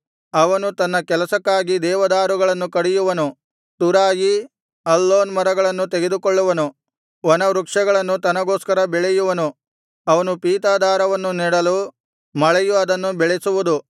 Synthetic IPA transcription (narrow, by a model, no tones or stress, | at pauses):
ɐʋɐnut̪ɐnːɐkɛlɐsɐkːaːɡid̪ɛːʋɐd̪aːɾuɡɐɭɐnːukɐɽijuʋɐnu | t̪uɾaːji | ɐlːoːnmɐɾɐɡɐɭɐnːut̪eɡe̞d̪ukoɭːuʋɐnu | ʋɔnɐʋɾukʂɐɡɐɭɐnːut̪ɐnɐɡo̞ːskɐɾɐbɛɭɛjuʋɐnu | ɐʋɐnupiːt̪aːd̪aːɾɐʋɐnːuniːɽɐlu | mɐɭɛjuɐd̪ɐnːubɛɭesuʋud̪u